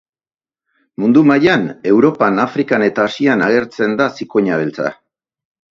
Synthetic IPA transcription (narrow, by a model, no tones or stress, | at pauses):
mund̪umajane̞wɾo̞panafɾikane̞t̪aːsianaɣ̞e̞ɾt͡se̞nd̪asiko̞ɲaβe̞lt͡sa̰